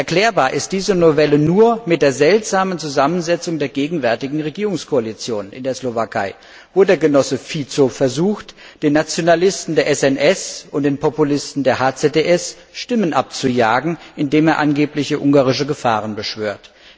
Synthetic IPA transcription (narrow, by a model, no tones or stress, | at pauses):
ʔɛɐklɛːɐbaːɐʔɪst̚d̥iːzənovɛlənuːɐmɪt̚d̥eːɐzɛltz̥aːmənt͡suzamənzɛt͡sʊŋdeːɐɡeːɡŋ̩vɛɐtɪɡŋ̩ʁeɡiːʁʊŋskʰoalit͡sjoːnʔɪ̰ndeːɐslovakʰaɪ | voɐdeːɐɡənɔsəfit͡sofɛɐzuːxt | d̥eːnːat͡sjonalɪstn̩deːɐʔɛsɛnʔɛsʊnt̚d̥eːnpɔpulɪstn̩deːɐhaːt͡seteʔɛs | ʃtɪmənʔap̚t͡sujaːɡŋ̩ʔɪndeːmeːɐʔanɡeːplɪçəʔʊŋɡaːʁɪʃəɡəfaːʁənbəʃv̥øːɐt